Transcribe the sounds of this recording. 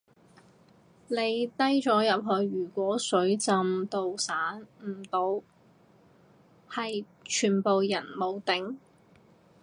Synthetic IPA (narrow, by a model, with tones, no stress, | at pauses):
le˨˧jt̪ɐ˥jt͡sɔː˨˥jɐ˨p̚ɦɵ˨˧ɥyː˨˩kʷɔː˨˥sɵ˨˥ɥt͡sɐ˨˧mt̪o˨wsaː˨˥nm̩˨˩t̪o˨˧w | hɐ˨j | t͡ʃʰyː˨˩npo˨wjɐ˨˩nmo˨˧wt̪ɪ˨˥ŋ